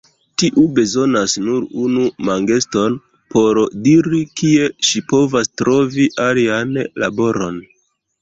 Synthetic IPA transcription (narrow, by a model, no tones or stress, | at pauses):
tiʔube̞zo̞nasnuɾunumaŋɡe̞sto̞n | po̞ɾdiɾikie̞ʃipo̞vastɾo̞viʔalianla̰bo̞ɾo̞n